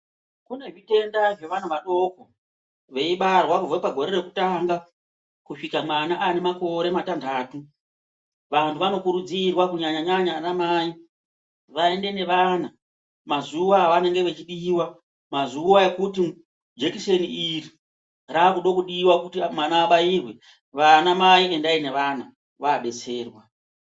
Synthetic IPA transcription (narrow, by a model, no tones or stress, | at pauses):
kune̞ʐite̞ndaʐe̞ʋanaʋaɗo̞ko | ʋe̞iɓarwakuvwepaɡʱo̞ɾe̞ɾe̞ku̥taŋɡa | kuʂikamwanaʔane̞mako̞ɾe̞matandaːtu | ʋantʰuʋano̞kuɾud͡zirwakuɲaɲaɲaɲaramaːji | ʋae̞nde̞ne̞ʋana | mazuwaʋane̞ŋɡe̞ʋe̞t͡ʃiɗiːwa | mazuaekuti | d͡ʒekise̞niiri | raːkuɗokuɗiːwakutimwanaːɓajiːrwe̞ | ʋanamaie̞ndaine̞ʋana | ʋaːɓe̞t͡se̞ːrwa